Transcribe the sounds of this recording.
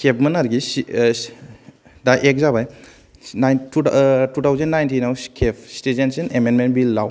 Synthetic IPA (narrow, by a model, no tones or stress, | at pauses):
sep̚mɐnaɾɡis | daʔek̚zabaj | aj | tutʰawzendːajntinawskʰepʰstezensinemenmenbilːaw